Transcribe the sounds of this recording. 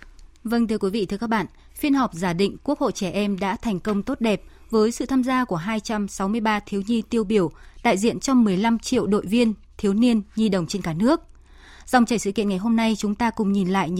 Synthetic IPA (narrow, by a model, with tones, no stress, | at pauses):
və˧nt̪ʰɨ˧əkwi˨˦vḭ˧˨t̪ɨ˧kaː˦˥k̚ɓa̰ː˧˨n | fi˧ənhɔ˨˩wp̚zaː˧˩ɗḭ̈˧˨ŋ̟ku˦˥ək̚ho̰˧˨t͡ɕɛ˧˩ʔɛ˧mɗa̰ː˧˥t̪ʰɛ˨˩jŋ̟kə˧wŋ͡mt̪o˦˥t̚ɗɛ˨˩p̚ | vəː˨˦jsɨ̰˧˨t̪ʰaː˧mzaː˧ku˧˩əɦaː˧jt͡ɕa˧msa˨˦wmɨ˧əjɓaː˧t̪ʰi˨˦wɲi˧t̪i˧əwɓi˧˩əwɗa̰ː˧˨jzḭ˧˨ənt͡ɕɔ˧ŋ͡mmɨ˨˩əjla˧mt͡ɕḭ˧˨əwɗo̰˧˨jvi˧ən | t̪ʰi˨˦əwni˧ənɲi˧ɗə˨˩wŋ͡mt͡ɕe˧nkaː˧˩nɨ˦˥ək̚ | z̥a˨wŋ͡mt͡ɕaː˨˩jsɨ̰˧˨kḭ˧˨ənŋa˨˩jɦo˧mna˧jt͡ɕʊ˨˦ŋ͡mt̪aː˧kʊ̰˧˨ŋ͡mɲi˨˩nla̰ː˧˨j